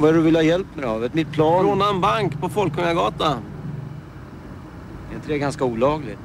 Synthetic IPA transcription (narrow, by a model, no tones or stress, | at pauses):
vaɛɖɵvɪlːhɑːjɛlpːmɛɾɛɑːvət̪mɪt̪̚pʰlɑːɾoːnaɛnbaŋkːpʰɔfɔlkʰːɵŋaɾɡɑːt̪a | d̪ɛɾɪnt̪əɾɛɾɡanskauːlɑːɡlɪ